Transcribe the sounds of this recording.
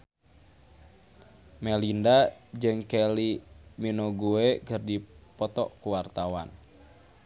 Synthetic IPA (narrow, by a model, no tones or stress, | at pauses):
mɛlindad͡ʒɨŋkɛliminoɡuekərdipɔt̪ɔ̰kuwart̪awa̰n